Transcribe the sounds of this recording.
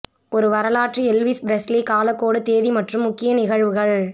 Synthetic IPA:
ʔɔɾɯʋɐɾɐlaːʈriɛlʋisbɾɛslikaːlɐkːoːɽɯt̪eːðimɐʈrɯmːʊkːɪjɐnɪɣɐɻʋɯɣɐɭ

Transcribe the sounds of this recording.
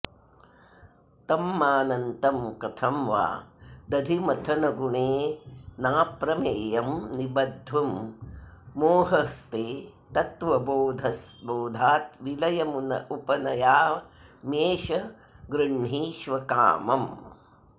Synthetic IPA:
t̪ɐmːaːnɐnt̪ɐmkɐt̪ʰɐmʋa̰ːd̪ɐd̪ʱimɐt̪ʰɐnɐɡuɳeːnaːpɾɐmeːjɐmnibɐd̪ʱːʋɐmː | oːɦɐst̪eː | t̪ɐt̪ʋɐboːd̪ʱɐsboːd̪ʱaːt̪̚ʋilɐjɐmunɐ̰ʔupɐnɐjaːmeːʃɐ | ɡɾɐɳɦiːʃʋɐka̰ːmɐm

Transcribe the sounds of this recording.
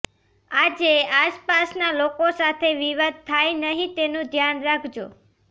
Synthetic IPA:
ad͡ʒeaspasnalokosat̪ʰeʋiʋad̪̚t̪ʰːajnəɦĩt̪enũd̪ʱjanɾakʰd͡ʒo

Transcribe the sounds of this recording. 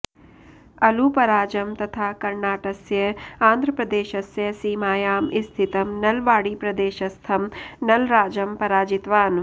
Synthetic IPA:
ɐlupɐɾaːd͡ʒɐmt̪ɐt̪ʰaːkɐɾnaːʈɐsjɐãːnd̪ʱɾɐpɾɐd̪eːʃɐsjɐsiːmaːjaːmist̪ʰit̪ɐmnɐlʋaːɽiːpɾɐd̪eːʃɐst̪ʰɐmnɐlɾaːd͡ʒɐmpɐɾaːd͡ʒit̪ʋaːn

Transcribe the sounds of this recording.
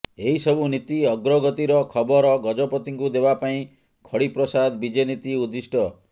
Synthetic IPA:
eɦisɔbunit̪iɔɡɾɔɡɔt̪iɾɔkʰɔbɔɾɔɡɔd͡ʒɔpɔt̪iŋkud̪ebapaĩ | kʰɔɽipɾɔsad̪bid͡ʒenit̪iud̪isʈɔ

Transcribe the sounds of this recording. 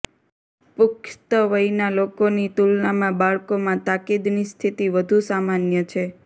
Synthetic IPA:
pʊkt̪əʋəjnalokonit̪ulnamãbaɭkomãt̪akid̪nist̪ʰit̪iʋəd̪ʱusamanjət͡ʃʰe

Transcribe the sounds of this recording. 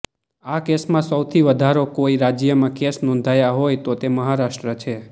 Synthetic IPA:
akesmãsəwt̪ʰiʋəd̪ʱaɾokoiɾad͡ʒjəmãkesnɔ̃nd̪ʱajaɦojt̪ot̪eməɦaɾaʃʈɾət͡ʃʰe

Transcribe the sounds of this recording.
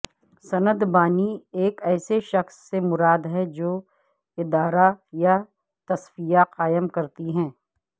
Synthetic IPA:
sɐnəd̪baːnieːkɛːseʃɐxsːemʊɾaːd̪ɦɛd͡ʒoː | ɪd̪aːɾaja | t̪ɐswijaqaːjəmkɐɾt̪iɦɛ̃ː

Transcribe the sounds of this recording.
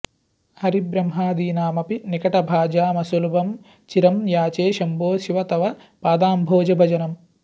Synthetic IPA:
hɐɾibɾɐmɦaːd̪iːnaːmɐpinikɐʈɐbʱaːd͡ʒaːmɐsulubʱɐm | t͡ʃiɾɐmjaːt͡ʃeːʃɐmboːʃiʋɐt̪ɐʋɐ | paːd̪aːmbʱoːd͡ʒɐbʱɐd͡ʒɐnɐm

